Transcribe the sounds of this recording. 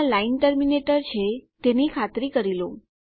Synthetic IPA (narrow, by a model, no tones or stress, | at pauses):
lainʈəɾmineʈəɾt͡ʃʰet̪enikʰat̪ɾikəɾilõ